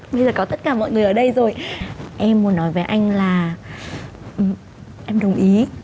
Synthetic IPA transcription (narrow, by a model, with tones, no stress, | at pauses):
ɓə˧jzəː˨˩kɔ˨˦t̪ə˦˥t̚kaː˧˩mɔ̰˧˨jŋɨ˨˩əjʔəː˧˩ɗə˧jzo˨˩jʔɛ˧mːu˨˦ənːɔ˨˦jvəː˨˦jʔa˧jŋ̟laː˨˩ | ʔɨ˨˩ | ʔɛ˧mɗə˨˩wŋ͡mʔi˨˦